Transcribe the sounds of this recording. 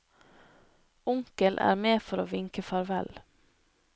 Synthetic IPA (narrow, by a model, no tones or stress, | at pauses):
ʊŋkəlʔæ̰ːɾmeːfɔɾoːʋɪŋkəfɑɾʋɛ̰l